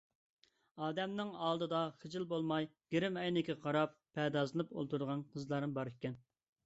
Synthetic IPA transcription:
ɑːd̪ɛmnɪŋɑːlˠd̪ɨd̪ɑχəd͡ʒɪlˠbolˠmɑjɡ̥ʲeɾɪmɛjnɪkʲɛqʰɑɾɑpʰː | ɛd̪ɑːzɨnɨpo̰lˠt̪ʰuɾd̪əʁɑnqʰəzlˠɑɾɨnbɑɾekʲːɛn

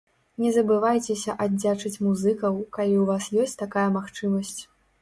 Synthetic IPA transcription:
nʲɛzɐbɨvajt͡sʲɛsʲɐʔadd͡zʲat͡ʂɨt͡sʲmuzɨkɐwkalʲiwvasjɔsʲtt͡sʲt̪akajɐmaxt͡ʂɨmɐsʲt͡sʲ

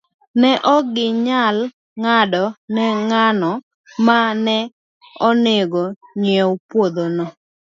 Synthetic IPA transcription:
nɛʔɔɡɪɲal | ŋadɔnɛŋanɔ | manɛ | ɔneɡoɲɛwpwod̪onɔ

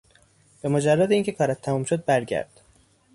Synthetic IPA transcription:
b̥emod͡ʒærːɑːd̪eiŋcʰekʰɒːɾæt̪ʰːæmuːmʃod̪̚bæɾɟæ̰ɾd̪̥

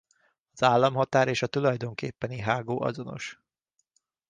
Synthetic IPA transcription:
ɒzaːlːɒmɦɒt̪aːɾeːʃɒt̪ulɒjd̪o̞ŋkeːpːɛniɦaːɡoːʔɒ̰zono̞̰ʃ

